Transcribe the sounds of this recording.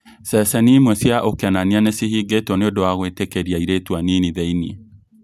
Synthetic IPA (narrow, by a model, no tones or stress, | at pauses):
sɛsɛnimwɛsjaʔokeananianesihiɡetɔneodowaɣwetɛkeɾiaiɾetwaniniðɛinḭ